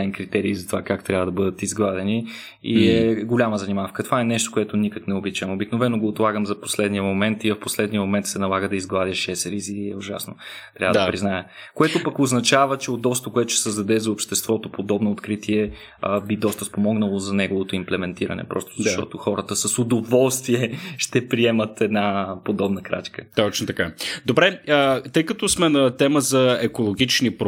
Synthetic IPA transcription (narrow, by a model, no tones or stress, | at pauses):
ɛnkɾit̪ɛɾiːzɐt̪ovakakt̪ɾʲavəd̪ɐbɤd̪ət̪izɡlˠad̪ɛni | iɛɡolʲaməzɐnimafkət̪ovaɛnɛʃt̪o̥koɛt̪onikəknɛobit͡ʃɛmobiknovɛnoɡoːt̪lˠaɡəmzɐpo̥slɛd̪nijəmomɛnt̪iɐfposlɛd̪nijəmomɛnt̪sɛnɐlˠaɡəd̪ɐizɡlˠad̪ʲəʃɛsɾiziɛoʒa̰snot̪ɾʲavəd̪əpɾiznajə | koɛt̪opɐkoznɐt͡ʃavət͡ʃɛod̪ɔst̪əkoɛt̪osɛ̥səzd̪ɐd̪ɛzɐopʃt̪ɛst̪vɔt̪opod̪ɔbnoːt̪kɾit̪ʰiɛ | bid̪ɔst̪əspomɔɡnəlˠozɐnɛɡovot̪oimplɛmɛnt̪iɾə̰nɛ̰pɾɔ̰st̪ozɐʃʃt̪ɔ̰t̪oxɔɾət̪əsɐsod̪ovɔlˠst̪viɛʃt̪ɛpɾiɛmət̪ʰɛd̪napod̪ɔbnəkɾa̰t͡ʃkət̪ɔt͡ʃnot̪ɐkad̪obɾɛət̪ɤjkət̪ɔsmɛnɐt̪ɛməzɐɛkolˠoɡ̟it͡ʃnip